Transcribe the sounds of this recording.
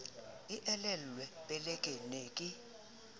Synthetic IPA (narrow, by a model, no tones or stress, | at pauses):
iʔɛlɛllwɛpʼɛlɛkʼɛneːkʼi